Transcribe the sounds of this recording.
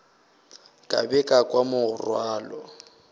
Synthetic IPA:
kʼa̰bɛkʼakʼwamʊʊrwaːlɔ

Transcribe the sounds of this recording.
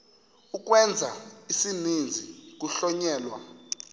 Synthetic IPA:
uk̬ʼwɛnd͡zʱaisinind͡zʱik̬ʼuɬɔɲɛːlwa

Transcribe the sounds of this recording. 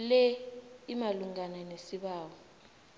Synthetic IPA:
lɛimaluŋananesiɓaːwɔ

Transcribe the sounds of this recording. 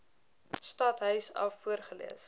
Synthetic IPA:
stɐtɦœɥsɐ̰fːuərχəlḭəs

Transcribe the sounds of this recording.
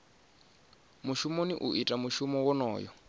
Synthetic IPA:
muʃumoniʔuʔitʼamuʃumɔwɔnɔːjɔ̰

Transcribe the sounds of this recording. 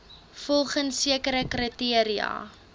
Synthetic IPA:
fɔlˠχənsiəkəɾəkrətiəɾiɐ̰

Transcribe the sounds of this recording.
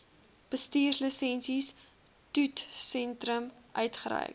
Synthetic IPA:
b̥əstiːrsləsɛnsis | tutsɛntrəmʔœɥtχəɾɛ̰jk

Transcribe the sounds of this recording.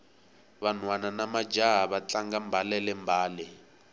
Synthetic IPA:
βan̤wananamad͡ʒaɦaβat͡ɬaŋɡambʱalɛlɛmbʱaːlɛ

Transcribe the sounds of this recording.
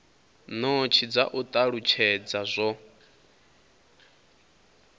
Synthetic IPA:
not͡ʃʰid͡zaʔut̪ʼaɺut͡ʃʰɛd͡zazʷɔ

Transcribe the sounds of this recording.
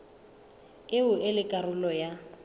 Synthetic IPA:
ɪʊʔɪlɪkʼarʊlɔja

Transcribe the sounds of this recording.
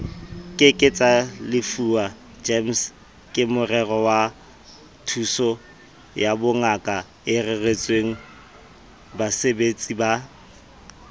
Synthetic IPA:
kʼɪkʼɪt͡sʼalɪfua | d͡ʒems | kʼɪmʊrɛrɔwa | tʰusɔ | jabʊŋakʼa | ɪreret͡sʼweŋ̩ | basebet͡sʼiba

